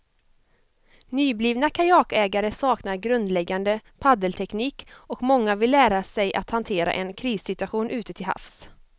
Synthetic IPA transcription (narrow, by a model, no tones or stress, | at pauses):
nyːbliːvnakʰajɑːkɛːɡaɾəsɑːknaɾɡɾɵnd̪lɛɡːand̪əpʰad̪əlt̪ʰɛkniːkɔkmɔŋːavɪlːæːɾasɛjʔa̰t̪hant̪ʰeːɾa̰ʔɛnkʰɾiːsːɪt̪ɵaɧuːnʔʉ̟ːt̪ət̪ʰɪlha̰fs